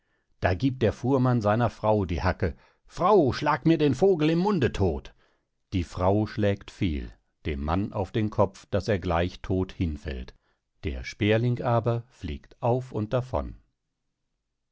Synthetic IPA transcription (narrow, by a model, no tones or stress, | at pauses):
d̥aːɡiːp̚t̚d̥eːɐfuːɐmanzaɪnɐfʁ̥aʊdiːhakə | fʁ̥aʊʃlaːkmiːɐdeːnfoːɡl̩ɪmːʊndətʰoːt | d̥iːfʁ̥aʊʃlɛːktfḭːl | d̥eːmːa̰nʔa̰ʊfd̥eːnkʰɔpp͡fd̥aseːɐɡlaɪçtʰoːthɪnfɛ̰lt | d̥ḛːɐʃpeːɐlɪŋkʔaːbɐflḭːktʔaʊfʊnt̚d̥afɔ̰n